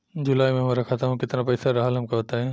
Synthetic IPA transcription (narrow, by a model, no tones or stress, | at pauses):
d͡ʑʊlaːjmẽmãɾɐkʰat̪ʰaːɦũkɪt̪ɪɾnapɐːsaɾaɦalɦɐmkɐʋɐt̪aːɦẽ